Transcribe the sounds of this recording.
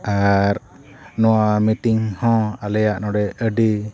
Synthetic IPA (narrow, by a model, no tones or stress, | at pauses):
aɾ | nɔwamitiŋhɔ̃alɛjaʔnɔɖɛəɖi